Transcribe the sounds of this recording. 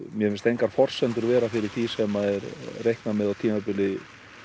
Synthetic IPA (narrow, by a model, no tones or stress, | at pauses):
mjɛmɪnst̪ejŋkaɾ̥fɔr̥sɛnt̪ʏɾvɛːɾafɪɾɪɾ̥θisɛmaɛɾrejhknamɛðawt̪ʰiːmapɪlɪ